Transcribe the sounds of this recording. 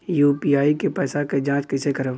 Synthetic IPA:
juːpiːaːikepɛːsaked͡ʒãːt͡ʃkɪsekəɾəʋ

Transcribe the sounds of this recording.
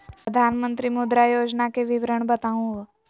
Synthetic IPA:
pəd̪ʱanmənt̪ɾimud̪ɾajoːd͡ʒnakeʋɪʋɾəɳ̃bət̪aũʋə

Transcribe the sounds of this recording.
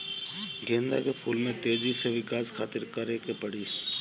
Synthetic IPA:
ɡʱẽːnd̪a̰kepʰuːlmẽt̪eːd͡ʒiseʋɪkaːskʰaːt̪ɪɾkəɾekepəɽiː

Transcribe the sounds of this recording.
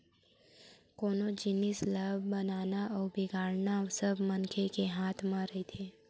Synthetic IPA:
koːnod͡ʒɪnɪslabbɐnaːnaɔːɾbɪɡʱaːɽnasəbmənkʰekeɦaːt̪ʰmãɾəɦit̪ʰeː

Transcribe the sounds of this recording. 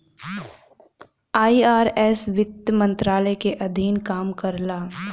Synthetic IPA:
aːiːaːɾɛːsʋɪt̪əmə̃nt̪ɾaːləjkeʔɐd̪ʱiːnkaːmkɐɾlaː

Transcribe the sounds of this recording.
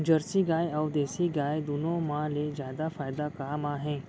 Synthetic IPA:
d͡ʑəɾsiɡaːjawd̪esiɡaːjd̪unõmalezjad̪afaːjd̪akaːmaɦẽ

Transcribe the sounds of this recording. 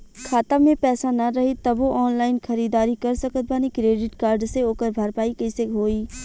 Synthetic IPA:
kʰaːt̪amẽpɛːsanɐɾɐɦit̪ɐboʔɔːnlaːɪnxʰɐɾiːd̪aːɾikɐɾsɐkət̪̚banikɾeːɖɪʈkaːɾɖseoːkəɾbʱaɾpaːikɐseɦoːiː

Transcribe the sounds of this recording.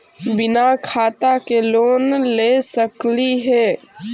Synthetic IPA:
bɪnakʰaːt̪akeloːnlesəkliɦɛː

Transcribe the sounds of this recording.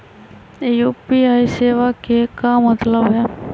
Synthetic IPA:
ejuːpiaːiseːʋakekamət̪ləbɦɛ

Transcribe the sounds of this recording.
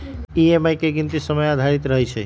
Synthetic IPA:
iemajkeɡint̪isəməjad̪ʱaɾit̪ɾəɦɛt͡ʃʰɛ

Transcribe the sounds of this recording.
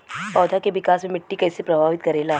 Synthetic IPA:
pɔːd̪ʱakeʋɪkaːsmẽmɪʈːikɐːɪsepɾɐbʱaːʋɪt̪kɐɾeːlaɦ

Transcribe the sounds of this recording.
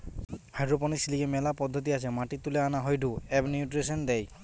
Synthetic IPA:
hajdɹɔp̬ɔnisilikɛmɛlapɔd̪ʱːɔt̪̬iasɛmaʈit̪ulɛanaɦɔjdʱuɛbniuʈɹisɔnd̪ɛj

